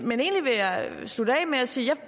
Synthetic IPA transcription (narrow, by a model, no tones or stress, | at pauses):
mene̝̰ːnliʋe̝jɑ̈ɪsd̥ud̥ɛ̰ːmeæsiːjɑ̈